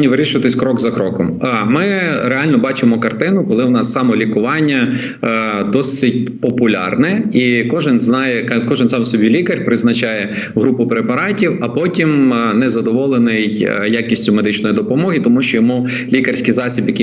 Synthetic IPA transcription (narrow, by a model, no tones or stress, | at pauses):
nʲiʋɪɾʲiʃʊʋɐt̪ɪsʲkɾɔɡzɐkɾɔkɔmmɪɾeɑlʲnɔbɑt͡ʃɪmɔkɐrt̪ɪnʊkɔlˠɪwnɑsːɑmɔlʲikʊʋɑnʲːɐ | d̪ɔsɪtʲpɔpʊlʲɑ̰rnɛikɔʒɪnznɑjɛkkɔʒɪnsɑmsɔbʲilʲikɐrʲpɾɪznɐt͡ʃɑjɛ | ɦɾupʊpɾepɐɾɑtʲiwɐpɔtʲimnɛzɐd̪ɔʋɔlˠenɪjjakʲisʲtʲʊmed̪ɪt͡ʃnɔjid̪ɔpɔmɔɦɪt̪ɔmuʃt͡ʃɔjɔmu | lʲikɐrʲsʲkijzɑsʲibjɐkʲi